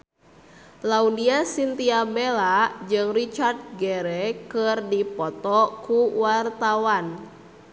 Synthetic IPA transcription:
laudiasint̪iabelad͡ʒɨŋrit͡ʃard̪̚ɡɛɾɛkɨrdipɔt̪ɔkuwart̪awan

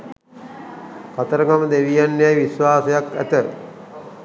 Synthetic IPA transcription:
kat̪əɾəɡaməd̪eʋijanːejajʋisʋaːsɐjakæ̰t̪ə

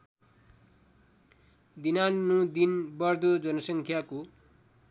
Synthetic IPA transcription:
d̪inanːud̪inbʌrd̪od͡zʌnʌsʌŋkʰjako

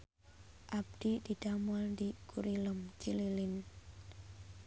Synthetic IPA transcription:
ʔab̚d̪̥id̪̥id̥amɔldikuɾiləmt͡ʃililɪn

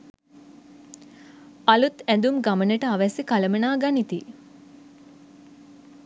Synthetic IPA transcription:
alut̪ænd̪umɡamənəʈəaʋɛsikaləmənaːɡanit̪i

